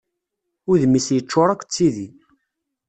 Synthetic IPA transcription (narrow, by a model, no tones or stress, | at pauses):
ʊɾðmisjət͡ʃːoɾˤækʷːt͡sːiði